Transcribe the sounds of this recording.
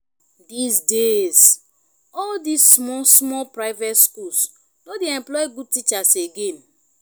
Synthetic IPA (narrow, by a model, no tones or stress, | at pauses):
disdes | ɔldisːmɔsmɔlpɹaɪvetskuls | nodeɛ̃mplɔjɡud̚tit͡ʃaseɡẽn